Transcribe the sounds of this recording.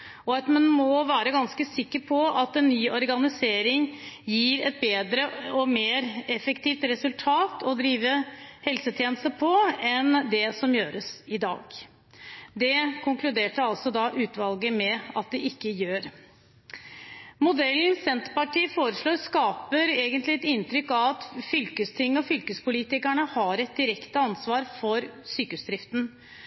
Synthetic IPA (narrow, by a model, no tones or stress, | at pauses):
ɔɑt̪mɛnmɔʋæːɾəɡɑnskəsɪkːəɾpʰɔɑt̪ɛnːyːɔɾɡɑnɪseːɾɪŋjiːɾɛt̪̚beːd̪ɾəɔmeːɾɛfɛkt̪ʰiːft̪ɾɛsʉlt̪ʰɑːt̪ʰɔd̪ɾiːʋəhɛlsət̪ʰjeːnəst̪əpʰɔɛnd̪ɛsɔmjøːɾəsɪd̪ɑ̰ːɡ | d̪ɛkʰʊŋklʉd̪eːʈəɑlsɔd̪ɑːʔʉːt̪ʰʋɑlɡəmɛɑt̪̚d̪ɛʔɪkːəjøːɾ | mʊd̪ɛlːnsɛnt̪pɑʈʰiːəfoːɾəʂɭoːɾskɑːpəɾeːɡənt̪lɪɛt̪ɪnt̪ɾʏkːɑʋɑt̪fʏlkəst̪ʰɪŋːɔfʏlkəspʊliːt̪ɪkæɳəhɑɾɛt̪̚d̪ɪɾɛkt̪əɑnsʋɑːɾfɔɾsyːkəʉsd̪ɾɪft̪n̩